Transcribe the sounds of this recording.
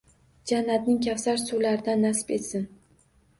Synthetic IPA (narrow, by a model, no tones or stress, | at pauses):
d͡ʒanːat̪nɪŋkʲʰafsaɾsulaɾɪd̪anːasɪ̥be̞t̪sɪn